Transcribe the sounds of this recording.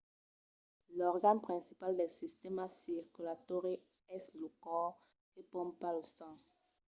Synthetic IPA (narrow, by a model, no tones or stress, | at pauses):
lɔʁɡanpχɛ̃nsipaldɛlsistɛmasiʁkylatoʁe | ɛslokɔ | epɔ̃mpalosã